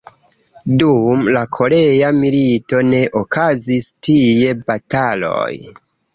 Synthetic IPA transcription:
dumlakʰo̞ɾe̞jamilito̞ne̞ʔokʰazistije̞batalo̞̰j

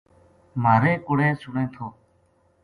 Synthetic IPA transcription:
maːɾẽːkʊɽẽːsʊɳẽːt̪ʰoː

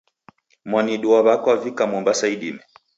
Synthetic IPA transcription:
mwaniɗuaβakwavikamɔmbasaiɗḭmɛ

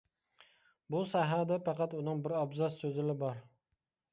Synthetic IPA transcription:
busæɦɑd̪ɛpɑqɑt̪unɨŋbɪɾɑbzɑssøzɪlɪbɑɾ

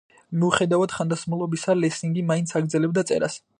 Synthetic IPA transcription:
miuχɛd̪avad̪̥χand̪asmulˠɔbisalɛsiŋɡimaint̪sʰaɡɾd̪zɛlɛb̚d̪at̪sʼɛ̰ɾa̰s

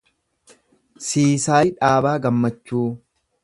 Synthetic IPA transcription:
siːsaːᶑaːbaːɡɐmːɐt͡ʃːuː

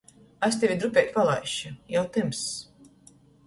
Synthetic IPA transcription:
asʲt̪ɛvʲid̪ɾupʲɛk̪ʲpalˠa̰jʃujawt̪ɨms

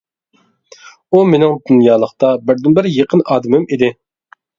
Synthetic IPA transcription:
umenɪŋd̪unjɑːlˠəχt̪ɑbɪɾd̪ɪnbɪɾjeqʰənɑːd̪ɪmɪmid̪ɪ

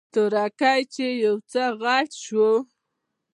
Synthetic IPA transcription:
t̪ʊɾakajt͡ʃejawt͡səɣaʈʃwo

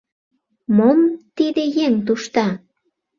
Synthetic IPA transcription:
momt̪id̪ejeŋt̪̬uʃt̪ɑ

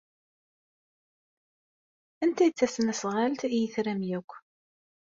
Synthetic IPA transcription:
ænt̪æt͡sːæsnæsʁalt̪ijəθɾæmjækʷː

